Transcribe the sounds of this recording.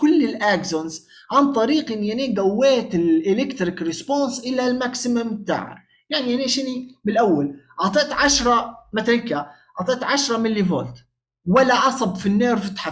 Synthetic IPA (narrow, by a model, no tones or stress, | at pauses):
kʊlːɪlʔaɡzonz | ʕant̪ˤɑɾiːqʔɪnːiʔaneːɡawːeːt̪ɪlʔɪlɪkt̪ɾɪkɾɪspoːnsʔɪlalmaksɪmamt̪a̰ːʕa̰ | jaʕniʔaneːʃɪnimɪlʔawːalʔɑt̪ˤeʔt̪ʕaʃɾˤɑmat̪alɪŋka | ʔɑːt̪ˤeʔt̪ʕaʃɾˤɑmɪlːivo̰ːlt̪ | walːaʕɑsˤɑbfinːeːɾfɪt̪ħa